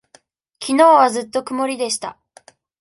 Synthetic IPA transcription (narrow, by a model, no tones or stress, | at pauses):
kʲino̞ːβazɨt̪ːo̞kɯ̟mo̞ɾʲid̪e̞ɕi̥t̪a̰